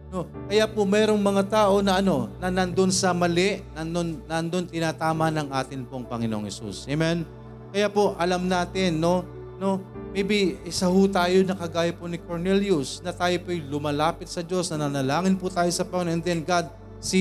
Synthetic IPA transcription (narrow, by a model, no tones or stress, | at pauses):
no̞kɐjapomɛːɾo̞ŋmɐŋat̪aːʔo̞nɐʔɐno̞nɐnɐnd̪o̞nsɐmɐlɛʔnɐnd̪onːɐnd̪o̞nt̪ɪnaːt̪aːmɐnɐŋʔaːt̪ɪnpoŋpɐŋɪnoʔoŋhɛsṵsʔemɛn | kɐjapo̞ʔɐlamnaːt̪ɪnːo̞ | no̞mɛbiɪsɐhʊt̪aːjonɐkɐɡaːjɐponɪkoɹnɛljʊsnɐt̪aːjopojlʊmalaːpɪt̪̚sɐd͡ʒo̞snɐnɐnɐlaːŋɪnpʊt̪aːjo̞sɐpɐŋɪnõɛnd̪ɛnɡad̪̚ | si